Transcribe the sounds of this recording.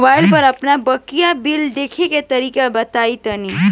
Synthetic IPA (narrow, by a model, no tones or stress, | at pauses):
baːɪlpɐɾɐpnabəkijabɪld̪eːkʰeket̪ɐɾiːkabɐt̪aːit̪əniː